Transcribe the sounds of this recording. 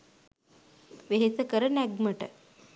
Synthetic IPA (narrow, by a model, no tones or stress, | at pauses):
ʋeɦet͡səkəɾənæɡməʈə̰